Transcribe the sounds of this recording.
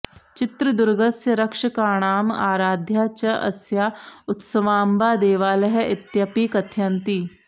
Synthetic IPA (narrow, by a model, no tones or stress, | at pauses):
t͡ʃɪt̪ɾəd̪ʊɾɡəsjəɾɐkʃəkaːɽ̃aːmaːɾaːd̪ʱjaːt͡ʃɐʔɐ̰sjaːʊt̪səʋaːmbaːd̪eːʋaːlɐɦɛɪt̪jɐpiːkɐt̪ʰjɐnt̪iː